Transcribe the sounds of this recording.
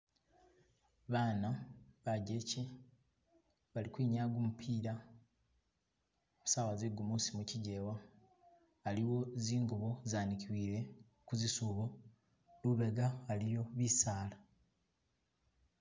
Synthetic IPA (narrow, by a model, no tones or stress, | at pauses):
βaːnaβaɟece | βalikwiːɲaːɡumupʰiːɾa | musaːwazeɡumusimuciɟe̞ːwaː | liwo̞ziːŋɡoβo̞zaːnikiwiːɾe̞ | kuzisuβo | luβeɡaːlijo̞βisaːla